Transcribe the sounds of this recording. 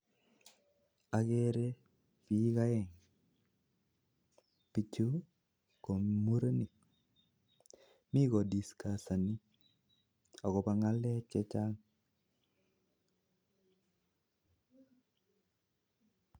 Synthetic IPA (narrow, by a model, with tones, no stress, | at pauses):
a˨ɡe˦ɾe˦ | pi˨˦ka˦jɛ˨ŋ | pi˨t͡ʃu˦ | ko˨mu˦ɾe˦ni˨ | mi˦ɡo˨di˨ska˨sa˨ni˦ | ɔ˨kɔ˨ba˨ŋa˦lɛ˦t͡ʃɛ˦t͡ʃa˦ŋ